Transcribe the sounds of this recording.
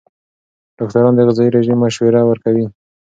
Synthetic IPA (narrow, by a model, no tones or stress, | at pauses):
ɖ̥ɑk̚t̪aɾɑnd̪əɣɪzɑiɾeʒimːaʃweɾawəɾkawi